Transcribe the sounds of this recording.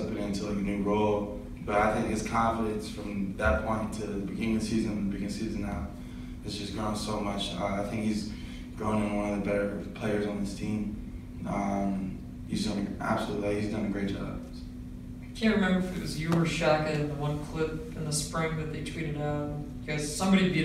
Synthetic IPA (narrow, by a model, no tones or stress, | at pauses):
pɨ̃ɾɪ̃ntʰɨlˠənʉɹoʊlˠ | b̥ʌɾaɪθɪ̃ŋkɨz̥kʰɑ̃ɱfəɾɨ̃nsfɹʌ̃mðət̚pʰɔ̃ɪ̃ntʰɨbɨɡɪ̃nɪ̃ŋðɨsizɨ̃nnbɨɡɪ̃ŋɨsizɨ̃nːaʊ | ɨzd͡ʒʌsɡ̥ɹõʊ̃nsoʊmʌt͡ʃʌaɪθɪ̃ŋkhiz | ɡ̥ɹõʊɪ̃ŋɨ̃nwʌ̃nʌvðɨbɛɾə˞pʰl̥eɪə˞zn̩ðɪstʰĩm | ʌ̃m | hizdʌ̃næ̰b̥səlutˡlihizdʌ̃nɨɡɹeɪt̚d̥ʒ̥ɑ̰b | aɪkʰæ̃n̚ɹɨmɛ̃mbə˞ðɨkʰʌzjɨəə˞ʃækɨɾɨ̃nðəwʌ̃nkʰl̥ɪpɨ̃nðəspɹɪ̃ŋðɨt̪̚ðeɪtʰɹ̥iɾɨɾakʰʌz̥sʌ̃mbɑɾibi